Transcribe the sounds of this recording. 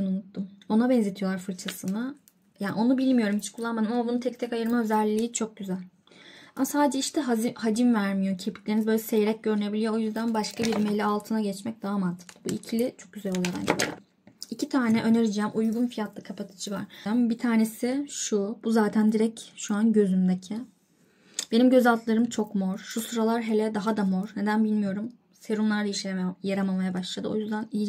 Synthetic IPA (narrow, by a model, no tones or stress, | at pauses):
nunut̪ːumo̞nabɛnze̞t̪ʰijo̞lˠaɾfɯɾt͡ʃʰasɯna | jaːnʔo̞nubilʲmijo̞ɾumit͡ʃʰi̥kʰulˠːanmad̪ɯmamabunut̪ʰɛc̚t̪ʰɛcajɯɾmaø̞zɛlʲːiːt͡ʃʰo̞k̚ɟyzælʲ | a̰masaːd̪ed͡ʒɛiʃt̪ʰɛɦahad͡ʒ̪imvæɾmijo̞cʰepʰi̥clʲe̞ɾinizbølʲɛsejeɾɛc̚ɟø̞ɾyne̞bilʲijoojyzd̪ænbaʃkʰabiɾmejlʲialˠt̪ʰɯnaɟɛt͡ʃmɛc̚d̪aːamant̪ʰɯ̥k̪buicʰilʲit͡ʃʰo̞k̚ɟyzælʲo̞lˠajoɾa̰nd͡ʒɛbø̰ɾʲa̰ | icʰit̪ʰaːnɛʔø̞ne̞ɾid͡ʒɛːmʔujɡunfijat̪ʰlˠakʰapʰat̪ʰɯ̥t͡ʃʰɯva̰ɾ̥mbit̪ʰaːne̞sɪʃubuzaːt̪ʰænd̪iɾɛcʃuanɟø̞zymd̪ecʰɪ | b̥e̞nimɟø̞zalˠt̪lˠaɾɯmt͡ʃʰo̞kmoɾ̥ʃusɯɾalˠaɾɦe̞lʲɛd̪aɦad̪amoɾne̞d̪ænbilʲmijo̞ɾum | seɾunlˠaɾd̪aiʃlʲejaɾamamajabaʃlˠad̪ɯo̞jyzd̪ænii